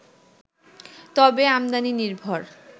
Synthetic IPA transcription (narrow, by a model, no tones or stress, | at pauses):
t̪ɔbeamd̪aniniɾbʱoɾ